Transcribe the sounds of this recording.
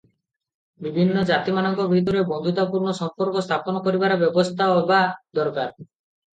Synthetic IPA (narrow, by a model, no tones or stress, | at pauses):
bibʱinːɔd͡ʒat̪imanɔŋkɔbʱit̪uɾebɔnd̪ʱut̪apuɾnɔsɔmpɔɾkɔst̪ʰapɔnɔkɔɾibaɾabjɔbɔst̪ʰaɔbad̪ɔɾkaɾ